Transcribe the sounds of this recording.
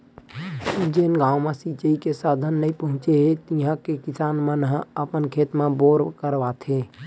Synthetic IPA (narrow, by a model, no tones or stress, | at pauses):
d͡ʒeːnɡãːwmãsit͡ʃəikesaːd̪ʱənːəĩpəɦʊ̃t͡ʃeɦet̪ijãkekɪsaːnmənɦə̃əpənkʰeːt̪mãboːɾkəɾʋaːt̪ʰeː